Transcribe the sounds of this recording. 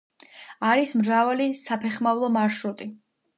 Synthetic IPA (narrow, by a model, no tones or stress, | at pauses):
aɾismɾavalisapʰɛχmavlˠɔmaɾʃɾut̪ʼi